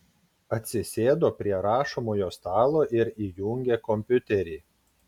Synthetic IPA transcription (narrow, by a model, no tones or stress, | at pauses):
ɐt̪ʲsʲɪsʲeːd̪oːpʲɾʲiɛɾɑːʃomoːjoːst̪ɑːlˠoːʔɪɾiːjʊŋʲɡʲeːkɔmʲpʲʊt̪ʲɛɾʲiː